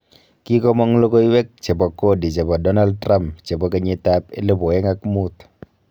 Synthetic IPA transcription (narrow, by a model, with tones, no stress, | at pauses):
ki˦kɔ˦mɔ˦ŋlo˦ko˦i˦wɛ˦k̚t͡ʃe˨bɔ˨ko˦di˨t͡ʃe˨bɔ˨dɔ˦na˦ld̚tɾa˦mpt͡ʃe˨bɔ˨ke˨ɲe˨ta˦pḛ˦le˦bo˨ɛ˦ŋa˦kmu˦t̪